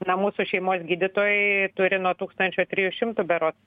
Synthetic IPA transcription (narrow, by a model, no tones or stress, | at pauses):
nɐmuːsʊʃʲɛɪmoːsɡʲiːd̪ʲɪt̪oːjʊt̪ʊɾʲɪnuɔt̪uːkst̪ɐnʲt͡ʃʲoːt̪ʲɾʲiːjʊʃʲɪmt̪ʊbʲɛɾoːs